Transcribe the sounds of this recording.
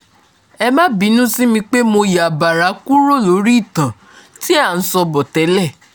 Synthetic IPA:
ɛ˧mã˦bi˨˦nũ˦si˦mĩ˧k͡pe˦mo˧ja˨ba˨ɾa˨˦ku˦ɾo˦˨lo˨˦ɾi˦˨tã˨ | ti˦a˦˨n̩˨˦sɔ˧bɔ˨tɛ˨˦lɛ˦˨

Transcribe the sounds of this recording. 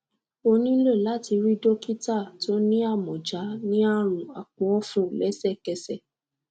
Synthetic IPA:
o˧nĩ˦le˦˨la˦ti˧ɾi˦do˦ki˦ta˦˨to˦nĩ˦a˦˨mɔ̃˨d͡ʒa˨˦nĩ˦a˦ɾ̃ũ˨a˨k͡pɔ˨ɔ˦fũ˦˨lɛ˦sɛ˦˨kɛ˧sɛ˦˨

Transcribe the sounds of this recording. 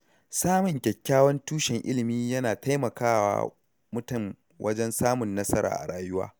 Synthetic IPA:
saː˦mʊ˨ŋkʲɛ˨kʲːaː˦wɐ˦ntuː˦ʃɛ˨ŋʔɪ̰˦lɪ˨miː˦jɐ˦naː˨ta˦jmɐ˨kaː˦wa̰ː˦ | mʊ˦tɐ˦˨m | wʔɐ̰˦d͡ʒɛ˦nsaː˦mʊ˨nːɐ˦sɐ˦ɾa̰ː˨ʔa̰˨ɽaː˦˨jʊ˦wa̰ː˦

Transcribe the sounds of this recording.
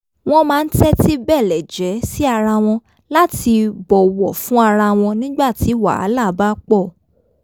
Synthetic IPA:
w̃ɔ̃˦mãː˦˧n̩˦tɛ˦ti˦bɛ˦˨lɛ˨d͡ʒɛ˨˦si˦a˧ɾa˧w̃ɔ̃˧ | la˦ti˧bɔ˨wɔ˨fũ˨˦a˧ɾa˧w̃ɔ̃˧nĩ˦ɡ͡ba˦˨ti˨˦wa̰˨a̰˨˦la˦˨˦ba˦k͡pɔ˦˨

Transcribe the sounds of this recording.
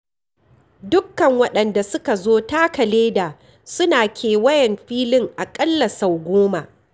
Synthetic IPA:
dʊ˦kːɐ˨ŋwɐ˦ɗɐ˨nda˨sʊ˦ka˨zoː˦taː˦kɐ˨leː˦daː˨ | sʊ˦naː˨kʲʰeː˨wɐ˦jɛ˨mɸiː˦lɪ˦ŋʔa˨kʼɐ˦lːɐ˨sa˨wɡʷoː˦maː˨

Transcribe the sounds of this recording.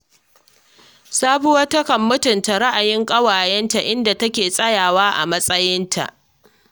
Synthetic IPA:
saː˦ɸu˦wɐ˦tɐ˦kɐ˨mːʊ˦tʊ˨nta˨ɾa˦ʔa˨jɪ˦ŋkʼɐ˦waː˨jɛ˦nta˨ʔɪ˦nda˨tɐ˦kʲeː˨sʼɐ˦jaː˨waː˦ʔa̰˨mɐ˦sʼɐ˦jɪ˦ntʰa̰˨ʔ

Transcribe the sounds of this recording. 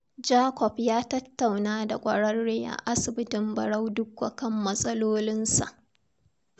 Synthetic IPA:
d͡ʒaː˦kʷɔ˨pjaː˦tɐ˦tːa˨wnaː˦da˨kʷʼɐ˨ɽɐ˦rːeː˦ja̰˨ʔa˦sɪ˨bɪ˦tɪ˨mbɐ˨ɽa˦wdʊ˦kʷwa˨kɐ˦mːɐ˦sʼɐ˦loː˦lɪ˦nsa̰˨ʔ

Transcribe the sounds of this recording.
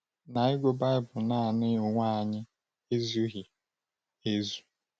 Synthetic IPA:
na˨ɪ˦ɡʷo˦ba˦ɪ˦bʊ˨na˦a˨nɪ˦o˨ŋʷa˦a˨ɲɪ˦ | e˦zu˦ɣi˨ | e˦zu˨

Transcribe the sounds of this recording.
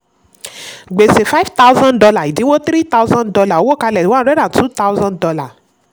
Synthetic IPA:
ɡ͡be˨se˨fa˦fta˦u˦zã˦ndɔ˧la˦˨i˨dĩ˨˦wo˦t̪ɾi˦ta˦wzã˦dɔ˧la˦˨o˨˦wo˦˨ka˧lɛ˨wã˦ɾɛ˦ɾa˦˨tu˦ta˦wzã˦dɔ˧la˦˨

